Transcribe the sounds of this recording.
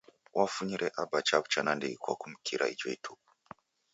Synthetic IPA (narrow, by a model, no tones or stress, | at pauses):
wʔafuɲiɾʔɛʔabat͡ʃabt͡ʃanandikwa̰kum̩kʰiɾʔa̰it͡ʃɔitʰupu